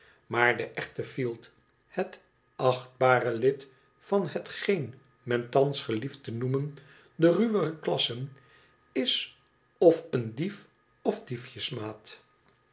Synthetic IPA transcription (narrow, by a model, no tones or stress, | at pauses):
maːɹdəʔɛχtəfilˠt | hət | ɑχd̚baːrəlɪt | fɑnɦətχejn | mɛntɑnsχəliftənumən | dəryʋəχəklɑsən | ɪs | ɔfəndif | ɔfdifjəsmaːt